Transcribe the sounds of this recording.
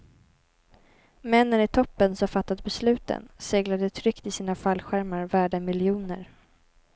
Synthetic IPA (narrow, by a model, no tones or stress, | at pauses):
mɛnːənɪt̪ʰɔpːənsɔfat̪ːat̪̚bɛslʉ̟ːt̪ə̰nseːɡlad̪ət̪ʰɾʏkt̪ɪsiːnafalːɧæɾmaɾvæːɖəmɪljuːnə̰ɾ